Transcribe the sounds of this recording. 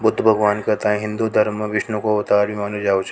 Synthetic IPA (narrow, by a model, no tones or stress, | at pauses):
bʊd̪ʱːbʱɐɡʋaːnkɐt̪aẽɦɪ̃nd̪ud̪ʱɐɾmʋɪʃnõkoɐt̪aːɾbʱimaːlud͡ʒaːot͡ʃʰ